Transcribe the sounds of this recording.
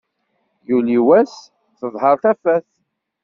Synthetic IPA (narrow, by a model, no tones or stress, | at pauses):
juliwæs | θəðˤhəɾˤθæfæθ